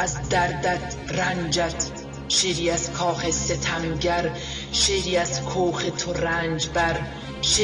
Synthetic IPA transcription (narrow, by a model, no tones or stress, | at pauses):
æzd̪æɾd̪æt̪ | rænd͡ʒæt̪ʰ | ʃeːɾiːæz̥kʰɒːxeset̪ʰæmɡæɾ | ʃeːɾiːæzkʰoːxet̪ʰoɾænd͡ʒbæɾ | ʃe